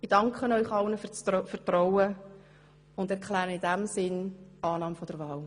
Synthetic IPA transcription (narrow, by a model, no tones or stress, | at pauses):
ɪd̥ɑŋkχənɔʏχɑlnəft͡sfəɾtɾɔwə | ʊndɛɾkʰlæːɾəɪdæmsɪnɑːnɑːmfɔd̥əɾvɑːl